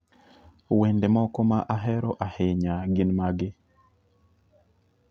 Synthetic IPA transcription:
wendemɔkɔmaʔaɦɛɾɔʔaheɲaɡɪnmaɡɪ

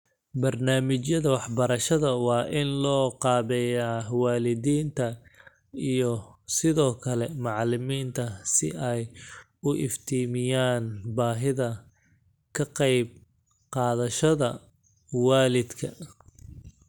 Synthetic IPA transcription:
bɐrnaːmɪt͡ʃjɐðɐwɑħbɐɾɐʃɐðɐwɑːʔɪnlɔːqɑːβɛjaːwɑːlɪðiːnt̪ʰɐ | ijɔsɪðɔːkʰɐlɛmɑʕlɪmiːnt̪ʰɐsɪ̰ɛj | ʊʔɪ̰ft̪ʰiːmɪjaːnbaːɦɪðɐ | kʰɐqɛjb̚ | qɑːðɐʃɐðɐ | wɑːlɪd̪kʰɐ

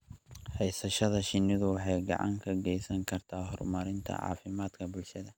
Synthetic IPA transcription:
hɛjsɐʃɐðɐʃɪnːɪðʊwɑħɑjɡɑ̰ʕɑ̰ŋkʰɐɡɛjsɐŋkʰɐrt̪ʰaːɦɔrmɐɾɪnt̪ʰɐ̰ʕɑ̰ːfɪmaːd̪kʰɐbʊlʃɐðɐ

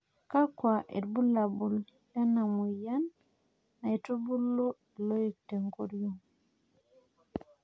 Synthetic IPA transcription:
kakwaʔɛ̰ɾbulabul | janamujanː | atobulːɔɛlojik̚tɛŋkoɾjɔm

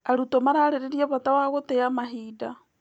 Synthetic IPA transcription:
aɾutomaɾaːɾeɾeɾiaβatawaɣotejamaɦiːda

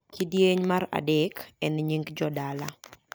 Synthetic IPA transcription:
kidjeɲmaɾa̰dɛkɛnɲiŋɡd͡ʒɔdala

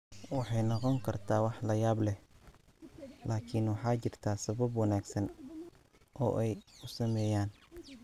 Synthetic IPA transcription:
wɑħɑjnɔqɔŋkʰɐrt̪ʰaːwɑħlɐjaːblɛh | laːkʰɪnwɑħɑːt͡ʃɪrt̪ʰaːsɐβɐbwɑnaːɡsɐn | ʔɔ̰ːʔɛjʊsɐmɛːjaːn

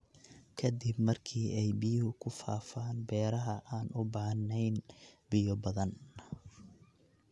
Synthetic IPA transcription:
kʰɐd̪ɪbmɐrkʰiːɛjbɪjhʊkʰʊfa̰ːfaːnbɛːɾɐɦɐʔaːnʔʊbaːnɛjnbɪjɔbɐðɐn

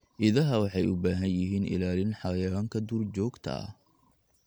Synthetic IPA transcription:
ʔɪðɐɦɐwɑħɑjʊbaːɦɐnjɪɦiːnʔɪ̰laːlɪnħɑjɐaːŋkʰɐd̪uːrt͡ʃɔːɡt̪ʰɐ̰

